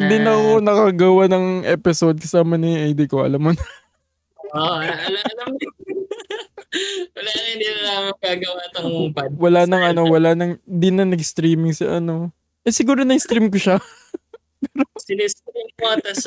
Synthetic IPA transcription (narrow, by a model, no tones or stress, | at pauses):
d̪ɪnɐkonɐkaɡɐwanɐŋʔɛːpɪsod̪̚kɐsaːmɐnɪʔɐjd̪ikoʔɐ̰lɐmːonɐ | oʔɐlɐɐlɐm | wɐlaːnɪnd̪ɪnɐlamɐŋɡaːɡɐwat̪ɐŋpɐwɐlanɐŋʔɐno̞wɐlanɐŋd̪ɪnːɐnɐɡst̪ɾiːmɪŋsɐ̰ʔɐno̞ | ʔɛsɪɡuːɾonɐjst̪ɾimkoʃɐ | pɛːɾosɪnist̪ɾiŋkat̪ɐs